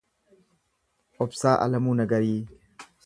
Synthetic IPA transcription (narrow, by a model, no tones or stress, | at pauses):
opsaːʔa̰lɐmunɐɡɐɾi